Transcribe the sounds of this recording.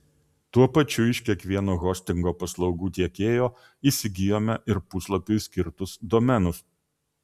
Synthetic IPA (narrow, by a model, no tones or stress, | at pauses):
t̪uɔpɐt͡ʃʲʊɪʃʲkʲiɛkʋʲiɛnoːɣɔːsʲt̪ʲɪŋɡoːpɐslˠɒʊɡuːt̪ʲiɛkʲeːjoː | iːsʲɪɡʲɪjoːmʲɛʔɪɾpʊslˠɐpʲʊsʲkʲɪɾt̪ʊsd̪ɔmʲɛnʊs